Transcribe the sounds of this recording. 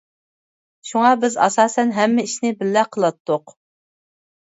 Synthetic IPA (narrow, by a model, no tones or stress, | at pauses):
ʃuŋɑbɪzɑ̰sɑːsɛnɦɛmːɪiʃnɪbɪlːɛqʰəlˠɑt̪ʰːʊq